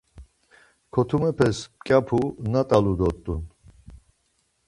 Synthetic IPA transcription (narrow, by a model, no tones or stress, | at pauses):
kʰɔt̪ʰumɛpʰɛspkʼjapʰunat̪ʼalud̪ɔt̪ʼːun